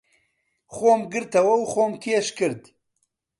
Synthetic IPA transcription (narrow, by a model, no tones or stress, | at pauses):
xoːmɡɨɾt̪ʰɐwɐwxoːmt̪ʰieʃkɨɾd̪